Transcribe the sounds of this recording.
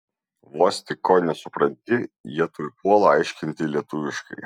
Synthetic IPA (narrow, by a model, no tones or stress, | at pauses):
ʋoːsʲt̪ʲɪkoːnʲɛsʊpɾɐnʲt̪ʲɪjiɛt̪ojpuɔlˠɐɐɪʃʲkʲɪnʲt̪ʲɪlʲiɛt̪ʊʋʲɪʃkɐɪ